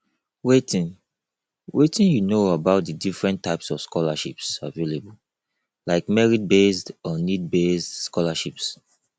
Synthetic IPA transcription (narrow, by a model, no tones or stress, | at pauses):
wetĩn | wetĩnjunoabaʊt̚dədifɹɛ̃ntʰːaɪpsɔv̥skɔlaʃipsavelebul | laɪkmɛɹid̚besdɔnid̚besdskɔlaʃips